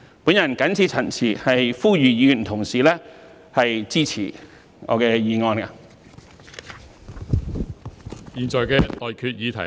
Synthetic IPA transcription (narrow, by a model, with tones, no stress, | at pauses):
pu˨˥njɐ˨˩nkɐ˨˥nt͡sʰiː˧t͡sʰɐ˨˩nt͡sʰiː˨˩hɐ˨jfuː˥jyː˨jiː˨˧˨m̩˨˩t̪ʰʊ˨˩ŋsiː˨lɛː˥ | hɐ˨jt͡siː˥t͡sʰḭː˨˩ | ŋɔ̰ː˨˧kɛː˧jiː˨˧ŋɔː˧na˧ | jiː˨˩nt͡ʃɔː˨jkɛː˧lɔː˨jkʰyː˧t̚jiː˨˧t̪ʰɐ˨˩